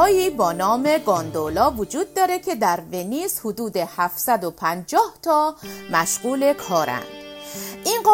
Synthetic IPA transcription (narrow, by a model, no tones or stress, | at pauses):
jiːbɒːnɒːme̞ɡɒːnd̪olɒːvod͡ʒuːd̪̚ːɒːɾe̞kʰe̞d̪æɾveniːshʊd̪uːd̪e̞hæfsæd̪opʰænd͡ʒɒːht̪ʰɒːmæʃɢuːle̞kʰɒːɾæ̰nd̪̥ʔinɢɒː